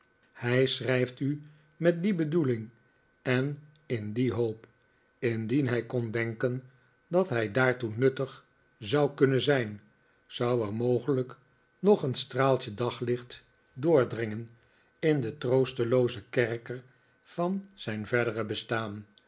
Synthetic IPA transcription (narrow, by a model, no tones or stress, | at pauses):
hɛjsrɛjfty | mɛt̚dibədulɪŋ | ɛn | ɪndiɦowp | ɪndinɦɛjkɔndɛŋkən | dɑtɦɛjdaːɹtunɵtəχ | zɑwkɵnənzɛjn | z̥ɑwɛɹmowχələk | nɔχənstraːlˠt͡ʃədɑχlɪχt | dʊːɹdrɪŋən | ɪndətrowstəlowzəkɛɹkər | v̥ɑnz̥ɛjnvɛɹdərəbəstaːn